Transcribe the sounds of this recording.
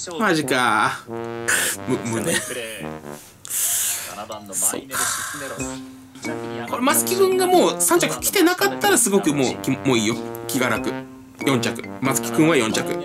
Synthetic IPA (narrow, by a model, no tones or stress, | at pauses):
maʑika | mmɯ̟ne | so̰ːkʰḁ | ko̞ɾemat͡sɨ̥kʲikɯ̟̃ŋɡamo̞ːsãɲ̟t͡ɕakɯ̟̥kʲi̥t̪e̞nakat̪ːaɾasɨɡo̞kɯ̟mo̰ːkʲmoːiːjokʲiɡaɾakɯ̟ | jõ̞ɲ̟t͡ɕakɯ̟̥mat͡sɨ̥kʲi̥kɯ̟̃ɰ̃βajõ̞ɲt͡ɕakɯ̟̰